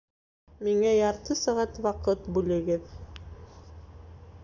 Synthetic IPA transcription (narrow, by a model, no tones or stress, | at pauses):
miŋæjɑɾt̪ɤsæʁæt̪wɑqɤt̪bʉlɘ̆ɡɘð